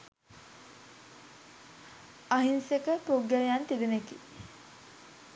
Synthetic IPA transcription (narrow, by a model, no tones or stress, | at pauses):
aɦinsekəpuɡjəlejant̪id̪eneki